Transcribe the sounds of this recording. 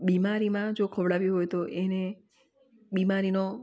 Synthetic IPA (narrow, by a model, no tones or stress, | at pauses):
bimaɾimãd͡ʒokʰəʋɽaʋiɦojt̪oʔene | bimaɾino